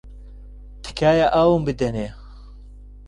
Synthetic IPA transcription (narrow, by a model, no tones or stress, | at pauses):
t̪ʰɨ̥kʰaːjaʔawumbɨd̪ɛne